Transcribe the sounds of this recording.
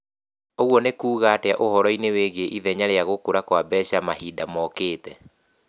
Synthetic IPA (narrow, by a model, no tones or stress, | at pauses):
oɣwɔnekuːɣateaʔohɔɾɔineweɣeʔiðɛɲaɾeaɣokoɾakwabɛːɕamahiːdamɔkeːtɛ